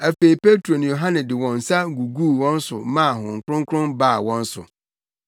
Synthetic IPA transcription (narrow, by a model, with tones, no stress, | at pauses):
æ˨fe˨i˨pʰe˦tʰɾo˨nʊ̃˨jo˨ɦã˦nɪ̃˨dɪ˨wɔ̃˨n̩˨sa˦ɡu˨ɡuː˦˨wɔ̃˦n̩˦sʊ˨mã˦˨ɦʊ̃˨ŋ̩˨kʰʊ˦ʊ̃˦ŋ˦kʰɾʊ̃˦nba˦˨wɔ̃˦n̩˦sʊ̰˨